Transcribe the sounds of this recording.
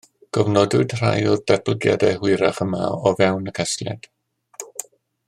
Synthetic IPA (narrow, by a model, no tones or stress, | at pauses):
ɡ̥ɔvnɔdʊɨd̥r̥a̰jʊrd̥ɛbʰləɡja̰dɛɦwɪɾaχəma̰ɔvɛwnəkʰɛslja̰d̥